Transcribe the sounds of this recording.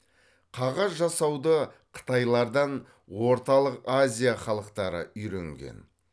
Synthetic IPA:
qʰɑʁɑzʒɑsɑwd̪əqʰə̥t̪ɑjlˠɑɾd̪ɑn | wo̞ɾt̪ɑlˠəqazʲijaχɑlˠəqt̪ɑɾə̰ʏjɾeŋɡʲḛn

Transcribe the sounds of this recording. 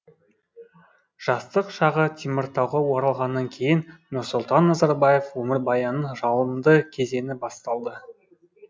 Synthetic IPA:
ʒ̥ɑst̪əqʃɑʁət̪ʰimɪɾt̪ɑwʁɑwoɾɑlˠʁɑnːɑŋkʲʰe̞jɪnnʊɾsʊlˠt̪ɑnːɑzɑɾbɑje̞fwɵmɪɾbɑjɑnəɴʒɑlˠəmd̪əkʲʰe̞ze̞nɪbɑst̪ɑlˠd̪ə

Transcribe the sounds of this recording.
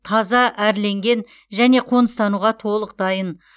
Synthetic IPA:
t̪ʰɑzɑʔæɾle̞ŋɡʲe̞n | ʒæne̞qʰo̞nəst̪ɑnuʁɑt̪ʰo̞lˠəq̚d̪ɑjən

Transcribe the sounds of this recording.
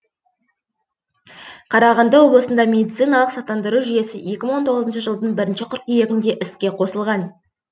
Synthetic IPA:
qʰɑɾɑʁɑnd̪əwo̞blˠəsənd̪ɑmʲe̞d̪ʲit̪sɨjnɑlˠəqsɑt̪ːɑnd̪əɾuʒʏje̞sɪje̞kʲɪməɴwont̪ʰo̞ʁəzənʃəʒəlˠd̪əɴbɪɾɪnʃɪqʰʊɾt̪̚ije̞ɡʲɪnd̪e̞ʔɪskʲe̞qʰo̞səlˠʁɑn

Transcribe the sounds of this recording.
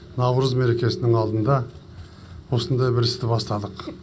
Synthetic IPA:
nɑwɾəzme̞ɾe̞kʲe̞sɪnɪŋɑlˠd̪ənd̪ɑ | wo̞sənd̪ɑjbɪɾɪst̪ɪbɑst̪ɑd̪əq

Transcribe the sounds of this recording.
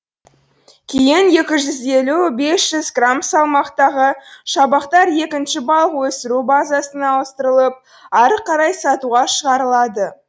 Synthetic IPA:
kʲʰeejɪnje̞kʲɪʒʏze̞lube̞sʒ̥ʏzɡramsɑlˠmɑqt̪ɑʁəʃɑbɑqt̪ɑɾje̞kʲɪnʃɪbɑlˠəqwɵsɪɾubazasənɑəst̪əɾəlˠəp̚ | ɑɾqʰɑɾɑjsɑt̪uʁɑʃəʁɑɾəlˠɑd̪ə

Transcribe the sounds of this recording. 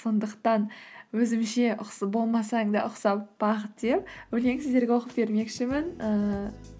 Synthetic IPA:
so̞nd̪əqt̪ɑnwɵzɪmʃe̞ʔʊqsbo̞lˠmɑsɑɴd̪ɑʔʊqsɑp̚b̥ɑqət̪̚d̪̥e̞p̚wɵle̞ŋsɪzd̪e̞ɾɡʲewo̞qəp̚be̞ɾme̞kʃɪmɪnə

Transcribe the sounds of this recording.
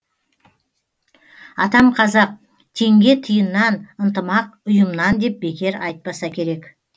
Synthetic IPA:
ɑt̪ɑmqʰɑzɑq̚ | t̪ʰe̞ŋɡʲe̞t̪ʰəjənːɑnənt̪əmɑq̚ʊjəmnɑnd̪e̞p̚be̞kʲe̞ɾɑjt̪̚pɑsɑkʲʰe̞ɾe̞k

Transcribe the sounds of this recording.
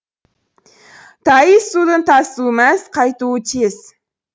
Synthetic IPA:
t̪ʰɑjəsːud̪ənt̪ʰɑsumæsqʰɑjt̪uːət̪ʰez̥

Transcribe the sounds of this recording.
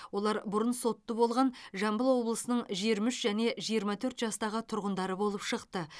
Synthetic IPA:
wo̞lˠɑɾbʊɾənso̞t̪ːəbo̞lˠʁɑnʒɑmbəlˠwo̞blˠəsənəɴʒiɾmʏʃʒæne̞ʒijəɾmɑt̪ʰɵɾt̪ʒɑst̪ɑʁət̪ʰʊɾʁənd̪ɑɾəbo̞lˠəpʃəqt̪ə

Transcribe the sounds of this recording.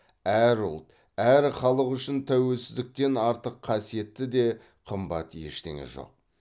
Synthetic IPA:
æɾʊlˠt̪ | æɾχɑlˠəqʏʃɪnt̪ʰæwe̞lsɪzd̪ɪk̚t̪e̞nɑɾt̪əqʰːɑsije̞t̪ːɪd̪e̞ | qʰəmbɑ̰t̪je̞̰ʃt̪ḛŋḛʒo̰q̚

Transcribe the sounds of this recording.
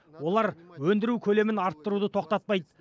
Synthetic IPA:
wo̞lˠɑɾwɵnd̪ɪɾukʲʰɵle̞mɪnɑɾt̪ːəɾud̪ət̪ʰo̞qt̪ɑt̪̚pɑjd̪ə

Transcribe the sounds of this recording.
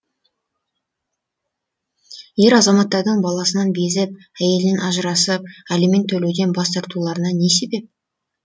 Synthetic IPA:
je̞ɾɑzɑmɑt̪ːɑɾd̪əɴbɑlˠɑsənɑnbe̞zɪp̚ | æje̞lɪnenɑʒəɾɑsəp̚æleme̞nt̪ʰːɵlewd̪e̞nbɑst̪ɑɾt̪ulˠɑɾənɑne̞se̞be̞p̚

